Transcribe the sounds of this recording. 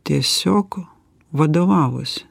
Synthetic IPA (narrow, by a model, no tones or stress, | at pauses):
t̪ʲɛsʲɔk | ʋɐd̪ɔʋɑlˠɔ̰sʲ